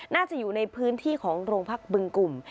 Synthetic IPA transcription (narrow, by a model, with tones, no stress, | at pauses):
naː˥˩t͡ɕa˨ʔjuː˨˩na˧jpʰɯː˦˥nt̪ʰiː˥˩kʰɔː˩˦ŋɾoː˧ŋpʰa˦˥k̚bɯ˧ŋku˨˩m